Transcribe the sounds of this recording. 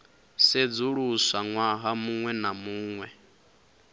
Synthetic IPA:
sed͡zuɺusaŋwaɦamuŋwɛnamuːŋwɛ

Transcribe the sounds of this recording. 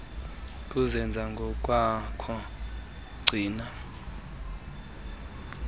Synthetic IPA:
k̬ʼuzɛnd͡zʱaŋɡʱɔk̬ʼwakʰɔ | ɡ͡ǀʱiːna

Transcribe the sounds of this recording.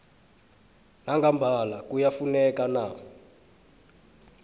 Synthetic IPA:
naŋɡambʱalakujafunɛkana

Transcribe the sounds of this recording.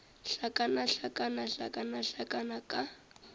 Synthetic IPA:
ɬakʼanaɬakʼanaɬa̰kʼanaɬakʼanakʼa

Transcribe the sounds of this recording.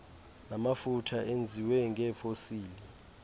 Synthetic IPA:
namafutʰaʔend͡zʱiwɛŋɡɛfosiːli

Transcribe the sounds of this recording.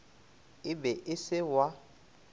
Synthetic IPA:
ɪbɛʔɪsɪwa

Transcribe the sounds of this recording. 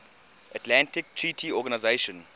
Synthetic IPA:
ʔatʰlãntɪk̚tʰɹitʰiɔɡanaɪzeʃɔ̃n

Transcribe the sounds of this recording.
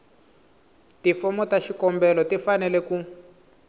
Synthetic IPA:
tifɔmɔtaʃikɔmbɛlɔtifanɛlɛku

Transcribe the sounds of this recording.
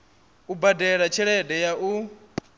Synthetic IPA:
ubadɛɺat͡ʃʰɛɺɛdɛjaʔu

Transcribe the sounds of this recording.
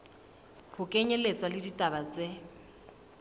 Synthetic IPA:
pʰʊkʼeɲɛlet͡sʼwalɪditʼabat͡sʼe

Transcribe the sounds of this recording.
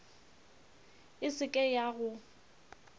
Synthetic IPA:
ɪsɪkʼɛjaɣʊ

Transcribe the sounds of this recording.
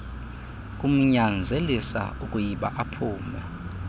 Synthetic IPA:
k̬ʼum̩ɲand͡zʱelisa̰ukʼujiɓa̰ʔapʰuːmba

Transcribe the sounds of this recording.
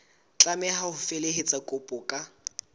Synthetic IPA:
t͡ɬʼamɛɦahʊfeleɦet͡sʼakʼʊpʼʊkʼa

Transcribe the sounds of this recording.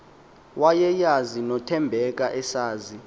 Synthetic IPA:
wajɛjazinɔtʰɛmbʱɛk̬ʼaʔɛsaːzi

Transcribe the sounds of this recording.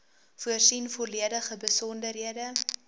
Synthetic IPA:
fuərsinfɔliədəχəbəsɔndərɦiədə

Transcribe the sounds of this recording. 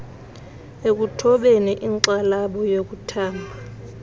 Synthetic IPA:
ek̬utʰɔɓɛnɛʔiŋǀalaɓɔjok̬utʰaːmbʱa

